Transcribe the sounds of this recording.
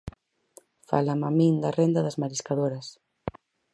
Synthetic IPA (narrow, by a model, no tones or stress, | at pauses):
fa̰lamamĩnd̪ɐrend̪ɐðɐzmaɾiskaðoɾɐs